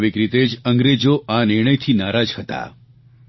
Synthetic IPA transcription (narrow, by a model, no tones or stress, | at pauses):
ʋɪkɾit̪ed͡ʒə̃ŋɡɾed͡ʒoʔanɪɾɳ̃əjt̪ʰinaɾad͡ʒhət̪a̰